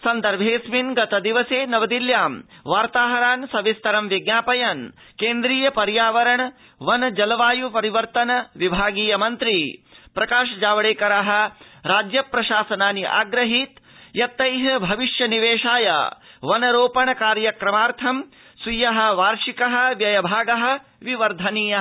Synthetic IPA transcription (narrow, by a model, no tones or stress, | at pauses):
sɐnd̪ɐɾbʱeːsminɡɐt̪ɐd̪iʋɐseːnɐʋɐd̪iljaːmʋaːɾt̪aːɦɐɾaːnsɐʋist̪ɐɾɐmʋeɡnaːpɐjɐn | keːnd̪ɾiːjɐpɐɾjaːʋɐɾɐɳɐ | ʋɐnɐd͡ʒɐlɐʋaːjupɐɾiʋɐɾt̪ɐnɐʋibʱaːɡiːjɐmɐnt̪ɾipɾɐkaːʃɐd͡ʒaːʋɐɽeːkɐɾaɦɐ̆ɾaːd͡ʒjɐpɾɐʃaːsɐnaːniʔa̰ːɡɾɐɦit̪jɐt̪ːɐjɦɐbʱɐʋiʃjɐniʋeːʂaːja̰ʋɐnɐɾoːpɐɳɐkaːɾjɐkɾɐmaːɾt̪ʰɐm | sujɐɦɐ̆ʋaːɾʂikɐɦɐ̆ʋjɐjɐbʱaːɡɐɦɐ̆ʋiʋɐɾd̪ʱɐniːjɐ